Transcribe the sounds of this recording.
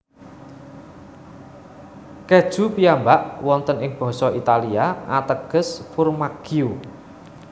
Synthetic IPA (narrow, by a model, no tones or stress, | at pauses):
kɛd̥ʒ̥ṳpiambaʔwɔnt̪ənɪŋb̥ɔ̤sɔit̪aliaʔat̪əɡ̥ə̤sfʊrmaɡ̥iu